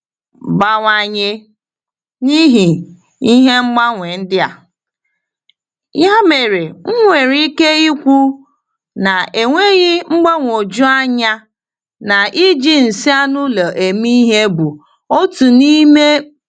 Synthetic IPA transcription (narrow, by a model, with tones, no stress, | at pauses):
ba˨ŋʷa˨ɲe˦ | ni˦ɦi˨ | i˦ɦe˦ŋ͡m̩˦ɡ͡ba˦ŋʷe˨n̩˦dɪ˦a̰˨ | ja˦me˨ɾe˨ŋ̩˦ŋʷe˨ɾi˦ke˦i˦kʷu˦ | na˨ʔe˨ŋʷe˦ɣi˦ŋ͡m̩˦ɡ͡ba˦ŋʷ˨o˨d͡ʒu˦a˦ɲa˦ | na˨ʔi˦d͡ʒi˦n̩˨si˦a˦nʊ˦la˨ʔe˨mi˦ɦe˦bu˨ | o˦tu˨ni˦me˦